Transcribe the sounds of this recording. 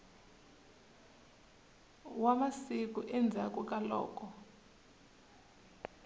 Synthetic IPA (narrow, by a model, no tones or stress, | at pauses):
wamasik̬ʼuʔɛnd͡zʱakʼukʼalɔ̰ːk̬ʼɔ